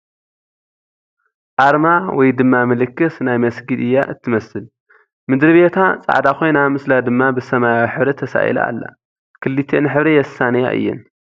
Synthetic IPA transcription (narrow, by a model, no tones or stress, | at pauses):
ʔaɾmawɔjd̪ɨmːamɨlɨkːɨsnajmɐsɡid̪ɨjːa̰ʔɨt̪ʰːɨmɐsɨl | mɨd̪ɾɨβet̪ʰat͡sʼa̰ʕd̪akʰo̞jnamɨslad̪ɨmːabɨsɐmajawħɨβɾet̪ʰɐsa̰ʔj̰la̰ːlːa̰ | kʰɨlːit̪ʰenɨħɨβɾejɛsːanɐja̰ʔɨ̰jːɪ̰n